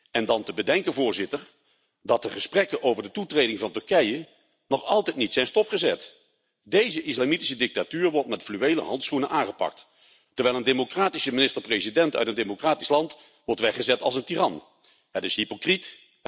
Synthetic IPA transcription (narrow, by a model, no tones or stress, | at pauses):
ɛndɑntəbədɛŋkənvʊːɹzɪtəɹ | dɑt̚dəχəsprɛkəʔowvəɹdətutrejdɪŋvɑntɵɹkɛjə | nɔχɑlˠtɛjtnitsɛjnstɔpχəzɛt | dejzəʔɪslamiti̥sədɪk̚tatyːɹʋɔɹtmɛtflyejlə̰ɦɑntsχunəʔaːŋχəpɑ̰k̚t | təɹʋɛjlˠəndemokraːtisəmɪnɪstəɹprejzidɛntœ̰ɥtəndemokraːtislɑnt | ʋɔɹtʋɛχəzɛtɑ̰lˠsəntirɑn | ɦətɪsɦipokrit